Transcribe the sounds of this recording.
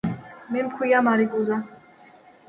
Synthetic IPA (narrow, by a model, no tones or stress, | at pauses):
mɛmχʰwiamaɾikʼuza